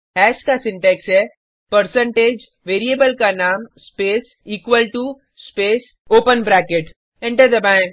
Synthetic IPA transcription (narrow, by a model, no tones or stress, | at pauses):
ɦɛːʃkasɪ̃ɳʈɛksɦɛ | pəɾsə̃ɳʈeːd͡ʒ | ʋeːɾiebəlkanaːmspeːs | iːkʋəlʈu | speːs | oːpənbɾɛːkeʈ | ɛ̃ɳʈəɾd̪ɐbã